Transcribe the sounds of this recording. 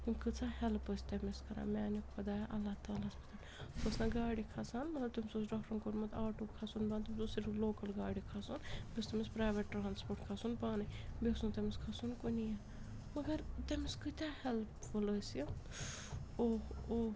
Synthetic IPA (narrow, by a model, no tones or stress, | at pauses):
imkɨt͡sahɛlpəsʲt̪ɐmiskɐɾã̰ːmʲaːnikpɐd̪aːjʔɐlːat̪aːlaspɐ̥t̪aːlpɐsnɐɡaːɽikʰasaːnmɐt̪lɐb̚t̪umʲsos̬ɖɔkɾɐnkoɾmɐt̪ʰaːʈukʰasunbaːnt̪umʲsosiɾloːkɐlɡaːɽikʰasunbʲest̪ɐmispɾaːjʋeʈʈːɾaːnspoːʈkʰasunbaːnɨbesnut̪ɐmiskʰasunkunija | mɐɡɐɾt̪emiskɨt̪ʲahɛlpfuləsji | oːo